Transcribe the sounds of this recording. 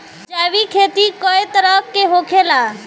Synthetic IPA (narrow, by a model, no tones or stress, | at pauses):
d͡ʒaːʋikʰeːt̪ikɔet̪əɾəkːeɦokʰela